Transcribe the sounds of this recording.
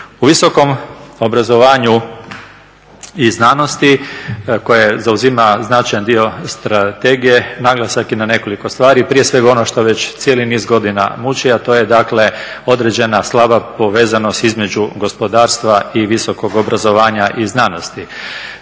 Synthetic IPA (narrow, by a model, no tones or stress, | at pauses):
uʋiso̞ko̞mo̞bɾazo̞ʋaːɲu | iznaːno̞st̪iko̞jezauzimaznat͡ʃajand̪io̞st̪ɾat̪e̞ɡije̞naɡlˠasakinane̞ko̞liko̞st̪ʋaːɾipɾijesʋe̞ɡao̞noʃt̪oʋe̞t͡ɕt̪sijelinizɡo̞d̪ina̰mut͡ʃiat̪o̞ːje̞d̪akle̞ | o̞d̪ɾe̞d͡ʑe̞naslˠabapo̞ʋe̞ːzano̞st̪izme̞d͡ʒuɡo̞spo̞d̪aːɾst̪ʋaiʋiso̞ko̞ɡo̞bɾazo̞ʋaːɲaʔiznaːno̞st̪i